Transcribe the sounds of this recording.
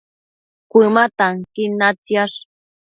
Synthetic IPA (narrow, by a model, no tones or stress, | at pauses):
kʷɪmat̪aŋkɪnat͡sjaʂ